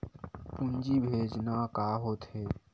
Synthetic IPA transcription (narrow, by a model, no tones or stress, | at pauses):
pʊ̃nd͡ʒiːbʱeːd͡ʒnakaːɦoːt̪ɦeː